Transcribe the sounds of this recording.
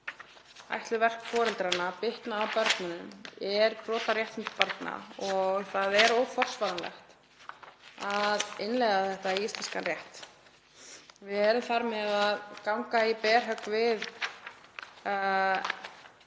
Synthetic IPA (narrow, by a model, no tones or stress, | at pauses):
a̰jht̪lʏvɛr̥kfɔːɾɛlt̪ɾaɾnapɪht̪naːwpœɾk̪nanʏmɛɾpɾɔːt̪aɾjɛht̪ɪt̪paɾt̪na̰ɔɣθaðɛɾoːwfɔr̥svaðanlɛ̰xt̪ | aðɪnlɛɣaθɛht̪aiist̪ɛnskanrjɛht̪ | vɪðɛːɾʏmθaɾmɛðaðkawŋkaipɛːɾ̥ɦœkvɪð